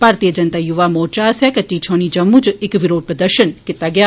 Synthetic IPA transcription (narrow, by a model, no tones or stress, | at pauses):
bʱaːɾt̪ijəd͡ʒɐnt̪ajuʋamɔːt͡ʃasɛkɐtːit͡ʃʰoːɽ̃id͡ʒɐmːũd͡ʒɪkʋɪɾoːd̪̚pɾəd̪əɾʃənkɪt̪ːaɡɪjaː